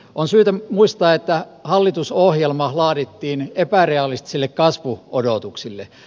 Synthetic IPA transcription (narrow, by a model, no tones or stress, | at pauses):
onsyːt̪æmuist̪ɑːet̪ːæ | hɑlːit̪usohjelmɑhlɑːɾit̪ːiːnepæreɑlist̪i̥silːekkɑsʋuodot̪uksilːe